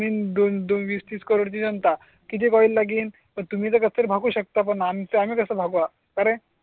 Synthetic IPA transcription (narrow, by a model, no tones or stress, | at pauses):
iːnd̪ond̪onʋiːst̪iːskəɾoɽt͡ɕid͡ʑənt̪a | kit̪ʰikɔilːaɡiːn | pəɳt̪um̤iːt͡səkət͡ssəɾbʱaɡuːɕək̚t̪ap̬əɳamt͡səam̤iːkəsəbʱaɡua | kəɾẽ